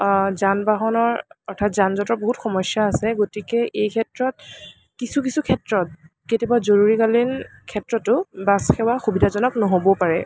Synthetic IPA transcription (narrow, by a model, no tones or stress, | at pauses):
zanbaɦɔnɔɹɔɹtʰatzanzɔtɔɹboɦutxɔmɔsjaːsɛɡotikɛʔejkʰɛtɹɔt̚ | kisukisukʰɛtɹɔt̚ | ketjɔbazoɹuɹikalinkʰɛtɹɔtːʊbasxɛwaxubidʱazɔnɔknɔɦobɔpaɹɛ